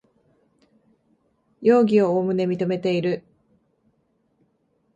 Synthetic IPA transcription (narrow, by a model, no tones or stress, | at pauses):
jo̞ːɡʲio̞oːmɯ̟ne̞mʲit̪o̞me̞t̪e̞iɾɯ̟